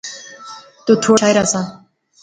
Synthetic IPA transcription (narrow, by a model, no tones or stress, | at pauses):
t̪ot̪ʰoːajɾasa